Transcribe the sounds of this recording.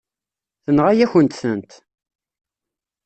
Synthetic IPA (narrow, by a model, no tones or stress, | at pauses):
θənʁæjæçənt̪sənt̪